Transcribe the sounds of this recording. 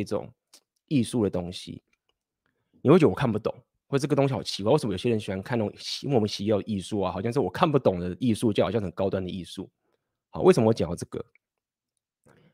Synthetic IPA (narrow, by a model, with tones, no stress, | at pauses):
i˥˩ʈ͡ʂʊ̰˨˩ŋ | i˥˧su˥˩d̪ə˩t̪ʊ˥ŋɕḭ˨˦ | ni˨we˥˩t͡ɕwʰnpu˥˩t̪ʊ̰˨˩˦ŋ | wo˥˩˧ə˩t̪oʊ˥ŋɕi˦˥˩o̰˨˩t͡ɕʰi˧˥kwwsm˦jo˨˩ɕjə˧˦nɕwa˧˥n˧kʰa˥˨n˥˩˨wə˦ɕi˧˥jɑ˥˩˦i˥˧su˥˩a˩xʊɕjɑ˥˧ʂ̬ɻ̩˥˩wɔ˨˩kʰa˥˧npu˥˩t̪ʊ˨˩ŋd̪ə˩i˥˧su˥˧t͡ɕjxɕɑ˥˧˩xə˨˩nkɑ˥ʊt̪wa˥˩nd̪ə˩i˥˧su˥˩ | hɑ̰˨˦we˥˩sə˨˩m˧wt͡ɕjŋ˩˧˩t͡sɤ˥˩ɡə̰˩